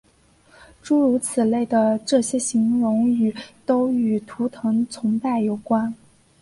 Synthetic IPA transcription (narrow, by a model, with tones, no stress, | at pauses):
ʈ͡ʂu˥ɻu˧˥t͡sʰɹ̩˨˩le˥˩ɪd̪ə˩ʈ͡ʂɤ˥˩ɕjɛ˥ɕi˧˥ŋɻʊ˧˥ŋy˨˩t̪o˥ʊy˨˩t̪ʰu˧˥t̪ʰɤ˧˥ŋt͡sʰʊ˧˥ŋpa˥˩ɪjo˨˩ʊkwa˥n